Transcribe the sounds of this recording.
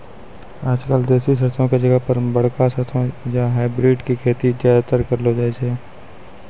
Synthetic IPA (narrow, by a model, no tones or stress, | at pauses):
aːd͡ʒkəld̪eːsis̬əɾt̪ʰõked͡ʒəɡəɦpəɾbəɽ̤kasəɾt̪ʰõjaɦaːɪbɾeːɖkikʰeːt̪id͡ʒjaːd̪at̪əɾkəɾlod͡ʒaːd͡ʒɛː